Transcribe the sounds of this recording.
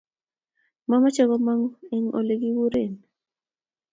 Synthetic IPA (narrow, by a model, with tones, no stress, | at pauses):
ma˦ma˦t͡ʃɛ˦ɣɔ˦ma˦ŋɛ˦ŋʔo̰˨le˨ɡi˦wu˦ɾe˨n